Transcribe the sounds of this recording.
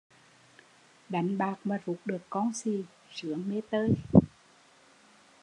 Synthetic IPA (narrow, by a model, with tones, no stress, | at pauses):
ɗa˨˦jŋ̟ɓaː˨˩k̚maː˨˩zu˨˩p̚ɗɨ˨˩əkːɔ˧nsi˨˩ | sɨ˨˧˦əŋme˧t̪əː˧j